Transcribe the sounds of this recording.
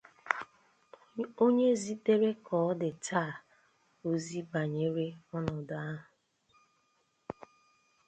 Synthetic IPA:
o˦ɲe˦zi˦te˦ɾe˦kʰɔː˨˦dɪ˨tʰa˦˨ | o˦zi˦ba˨ɲe˦ɾe˦ɔ˦nɔ˨da˨a˦ɦʊ˨

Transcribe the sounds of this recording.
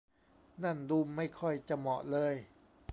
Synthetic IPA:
na˥˩nduː˧mːa˥˩jkʰɔ˥˩jt͡ɕa˨˩mɔ˨˩ʔlɤː˧j

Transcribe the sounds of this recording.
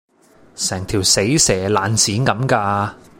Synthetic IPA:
sɛː˨˩ŋt̪ʰiː˨˩wse˨˥jsɛː˨˩laː˨nt͡sʰiː˨˥nkɐ˨˥mkaː˧

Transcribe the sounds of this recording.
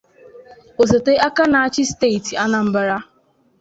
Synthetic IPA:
o˨se˨te˦a˦ka˦na˨a˦t͡ʃɪ˦ste˦i˨ti˨a˦na˨m̩˦ba˨˦ɾa˦

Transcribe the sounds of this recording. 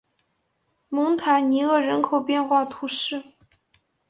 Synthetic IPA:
mʊ˧˥ŋt̪ʰa˧˥ɪni˧˥ɤ˥˩ɻə˧˥nkʰo˨˩ʊpjɛ˥˧nxwa˥˩t̪ʰu˧˥ʂɻ̩˥˩

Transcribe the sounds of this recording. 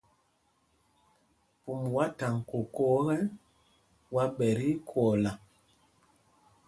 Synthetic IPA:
pu˨mwa˦ta˨ŋ˨ko˨kɔ˦ɣɛ˦n | wa˦ɓɛ˨ɾi˦kʰɔ˨la˨

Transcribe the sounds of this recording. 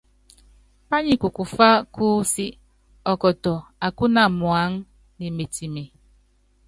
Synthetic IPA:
pa˦ɲi˨ku˨ku˨fa˦kʰuː˦si˦ | ɔ˨kɔ˨tɔ˨a˨ku˦na˨mwa˨˦ŋ˦ | ni˨me˨ti˨me˨

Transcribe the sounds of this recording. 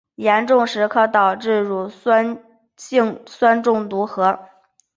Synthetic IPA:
jɛ˧˥nʈ͡ʂʊ˥˩˧ŋʂɻ̩˧˥kʰɤ˥˩t̪ɑ˨˩ʊʈ͡ʂɻ̩˥˩ɻu˧˥˩n | ɕi˥˧ŋswa˥nʈ͡ʂʊ˥˩ŋt̪u˧˥xɤ˧˥

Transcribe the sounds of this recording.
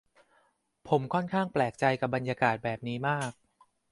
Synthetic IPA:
pʰo˩˦mkʰɔ˥˩nkʰaː˥˩ŋplɛː˨˩k̚t͡ɕa˧jka˨˩p̚ba˧njaː˧kaː˨˩t̪̚bɛː˨˩p̚niː˦˥maː˥˩k̚

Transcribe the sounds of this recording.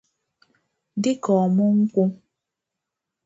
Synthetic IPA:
dɪ˦kɔː˨mɔ˦ŋ̩˦kʷu˦m

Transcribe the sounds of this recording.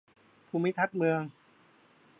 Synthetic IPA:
pʰuː˧mi˦˥t̪ʰa˦˥t̪̚mɯ˧əŋ

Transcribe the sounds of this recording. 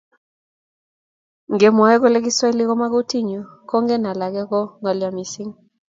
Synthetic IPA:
ŋɡe˨mɔ˨ɛ˦ko˦le˦k̬i˦swa˦e˦li˦kɔ˦ma˦ko˦ti˦ɲo˨kɔ˦ŋɡɛ˦na˨la˨kɛ˦kɔ˦ŋɡa˨lja˨mi˨si˦ŋ

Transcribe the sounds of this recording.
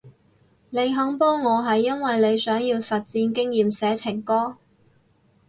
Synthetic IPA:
ne˨˧jɦɐ˨˥ŋpɔː˥ŋŋɔː˨˧ɦɐ˨jːɐ˥nwɐ˨jle˨˧jsœː˨˥ŋjiː˧wsɐ˨t̚t͡siː˧nkɪ˥ŋjiː˨msɛː˨˥t͡sʰɪ˨˩ŋkɔː˥

